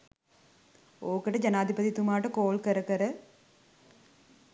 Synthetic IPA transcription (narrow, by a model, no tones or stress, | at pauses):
oːkɐʈːɐd͡ʑɐnaːd̪ʱibɐt̪it̪umaːʈɐkoːlkɐɾɐkɐɾɐ